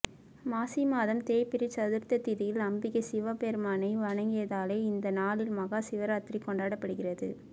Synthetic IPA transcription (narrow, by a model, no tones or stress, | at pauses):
maːsimaːðɐmt̪eːjpɪɾɪt͡ʃɐðɯɾt̪ɐt̪ɪðɪjɪlɐmbɪɣɐsɪʋɐpeːɾmaːnɐɪʋɐɳɐŋɡɪjɐðaːleːɪnd̪ɐnaːlɪlmɐɣaːsɪʋɐɾaːt̪rikɔɳɖaːɽɐpːɐɽɯɣɪrɐðɯ̰